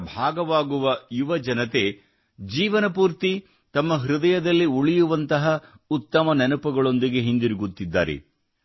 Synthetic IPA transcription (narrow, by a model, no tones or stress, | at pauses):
bʱaːɡɐʋaːɡuʋɐjuʋɐd͡ʒɐnɐt̪e̞ | d͡ʒiːʋɐnɐpuːɾt̪i | t̪ɐmːɐɦɾud̪ɐjɐd̪ɐlːiuɭijuʋɐnt̪ɐɦɐ | ut̪ːɐmɐnɛnupɐɡɐɭo̞nd̪iɡe̞ɦind̪iɾiɡut̪ːid̪ːa̰ːɾḛ